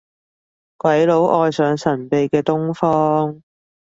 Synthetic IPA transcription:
kwɐ˨˥jlo˨˧˥wʔɔː˧jsœː˨˧ŋsɐ˨˩npe˨jkɛː˧t̪ʊ˥ŋfɔː˥ŋ

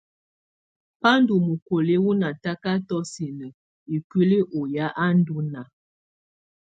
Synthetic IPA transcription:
pa˦n˦du˨mu˨ko˨le˦wu˦na˨ta˦ka˦tɔ˦si˨nə˨ | i˨kwi˦li˦ʔo˨ja˦ʔa˦n˦du˦na˨

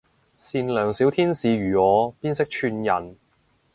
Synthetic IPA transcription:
siː˧nlœː˨˩ŋsi˨˥wt̪ʰiː˥nsiː˨˧jyː˨˩ɔː˨˧piː˥nsɪ˥k̚t͡ʃʰyː˧njɐ̰˨˩n

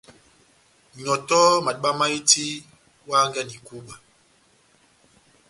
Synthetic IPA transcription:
ɲɔ˨tɔ˦ma˨ɗɓa˦ma˦i˦ti˦ | wa˦ŋɡa˦˨ni˨ku˦ɓa˨

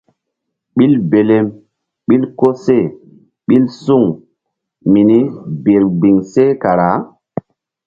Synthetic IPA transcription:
ɓi˦lbe˨le˦m | ɓi˦lko˦se˦˨ | ɓi˦lsu˦˨ŋ | mi˨ni˦be˨ɾbi˨ŋse˦ka˨ɾa˨˦

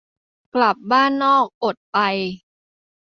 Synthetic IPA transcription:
kla˨˩p̚baː˥˩nːɔː˥˩k̚ʔo˨˩t̪̚pa˧j

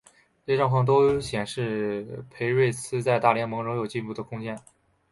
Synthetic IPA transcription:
ʈ͡ʂʈ͡ʂɑ˥˧ŋxɑ˥˩ŋt̪o˥ʊɕjɛ˨˩nʂɻ̩˥˩pʰe˧˥ɪɻwe˥˩ɪt͡sʰɹ̩˥t͡sa˥˧ɪt̪a˥˩ljɛ˥nmɤ˧˥ŋɻŋjo˨˩ʊt͡ɕi˥˧npu˥˩d̪ə˩kʰʊ˥ŋt͡ɕjɛ˥n

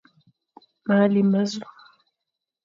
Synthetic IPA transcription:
ma˨˦li˨ma˦zu˦

